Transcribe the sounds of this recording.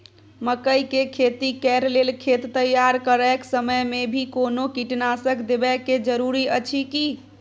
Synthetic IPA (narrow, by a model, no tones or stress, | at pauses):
məkəjkekʰet̪ikɛɾlelkʰet̪ːəjːaɾkəɾɛksəməjmebʱikonokiʈnasəkd̪ebɛked͡ʒəɾuɾiət͡ʃʰiki